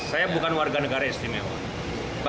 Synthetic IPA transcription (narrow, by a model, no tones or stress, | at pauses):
sajabukanwarɡanəɡaɾaist̪imɛwa̰ | b